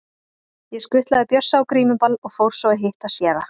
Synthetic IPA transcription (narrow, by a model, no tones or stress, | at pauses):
jɛskʏht̪laðɪpjœ̥sːaːwkɾiːmʏpalɔɣfowɾ̥sɔwɪɦɪht̪asjɛːða